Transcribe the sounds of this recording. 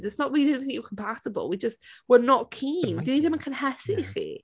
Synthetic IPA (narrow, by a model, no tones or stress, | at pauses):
zɪtsnəʔwiõʊ̃nθɪ̃ŋkjəkʰə̃mpʰatəbə̰lˠwid͡ʒʌstwənəʔkʰĩːndɪdivɪvə̃nkʰə̃nhɛsɪsḭ